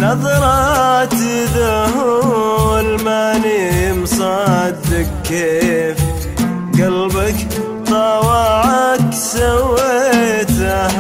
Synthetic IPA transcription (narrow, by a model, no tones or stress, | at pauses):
nɑðˤɾˤɑt̪iðaɦwalmaːniɪmsˤɑd̪ɪkː | eːf | ɡalbak | t̪ˤɑwɑʕɑksawːet̪a